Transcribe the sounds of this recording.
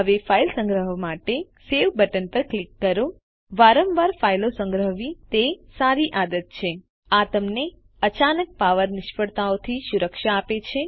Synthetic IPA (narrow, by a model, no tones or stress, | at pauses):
ɦəʋefʰailsə̃ŋɡɾəɦmaʈe | seʋbəʈənpəɾklikːəɾo | ʋaɾəmʋaɾfailosə̃ŋɡɾəɦʋit̪esaɾiʔad̪ət̪̚t͡ʃʰe | at̪əmne | ət͡ʃanək̚paʋəɾnɪʃfəɽt̪aot̪ʰiʃuɾəkʃaːpet͡ʃʰe